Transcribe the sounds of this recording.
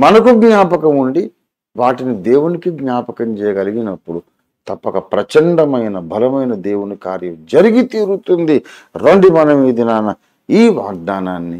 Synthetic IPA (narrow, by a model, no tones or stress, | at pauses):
mɐnɐkuɡɲaːpɐkɐmuɳɖi | ʋaːʈinid̪eːwunikiɡɲaːpɐkɐmt͡ʃɛːjɐɡɐliɡinɐpːuɽu | t̪ɐpːɐkɐpɾɐt͡ʃɐɳɖɐmɐjnɐbʱɐlɐmɐjnɐd̪e̞ːwunikaːɾjɐmd͡ʒɐɾiɡit̪iːɾut̪und̪iɾoɳɖimɐnɐmiːd̪inaːnɐ | iːʋa̰ːɡ̚d̪aːnaːnːi